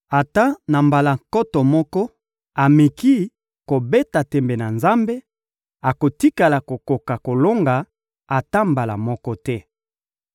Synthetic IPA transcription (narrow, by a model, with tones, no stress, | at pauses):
a˨ta˦na˨mba˨la˨ŋkɔ˦tɔ˨mɔ˦kɔ˦ | a˨me˨ki˦ | ko˨be˦ta˨tɛ˨mbe˨na˨nza˦mbe˦ | a˨ko˨ti˦ka˨la˨ko˨ko˨ka˨ko˨lo˦ŋɡa˨ | a˨ta˦mba˨la̰˨mɔ˦kɔ˦tɛ˦